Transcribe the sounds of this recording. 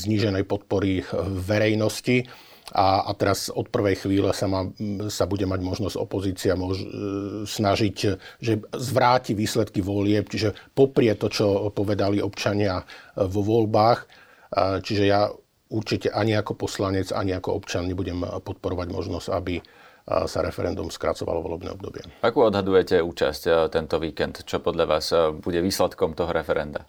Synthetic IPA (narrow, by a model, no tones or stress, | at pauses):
zɲiːʒɛnɛjpɔt̪̚pɔɾiːɛɾɛjnɔsci | ʔaa̰t̪ɛɾasɔt̪̚pr̩ʋɛjxʋiːlɛsamasabuɟɛmaɟmɔʒnɔz̥ɟɔ̰pɔziːt͡siamɔ | snaʒicʒɛzʋɾaːciʋiːslɛt̪kiʋɔlɪɛpt͡ʃiʒɛpɔpɾɪɛt̪ɔt͡ʃɔpɔʋɛd̪aliɔpt͡ʃaɲɪaʋɔʋɔlbaːx | t͡ʃiʒɛja | uɾt͡ʃicɛʔaɲiakɔpɔslaɲɛd͡za̰ɲiakɔɔ̰pt͡ʃɪanɲɛbuɟɛmpɔt̪̚pɔɾɔʋaɟmɔ̰ʒnɔz̥ca̰bi | saɾɛfɛɾɛnd̪umskɾa̰t͡sɔʋa̰lɔ̰ʋɔ̰lɛbnɛ̰ːɔbd̪ɔbɪɛ̰akuːɔd̪ɦad̪ujɛcɛuːt͡ʃa̰sct̪ɛnt̪ɔʋiːkɛnt̪t͡ʃɔpɔd̪ʎaʋa̰ːsbuɟɛʋiːslɛt̪kɔmt̪ɔɦɔɾɛfɛɾɛnd̪a